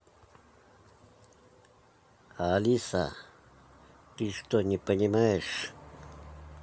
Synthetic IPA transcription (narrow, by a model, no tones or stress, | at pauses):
aːlisa̰ | t̪iʂt̪oɲipaɲimaeʂ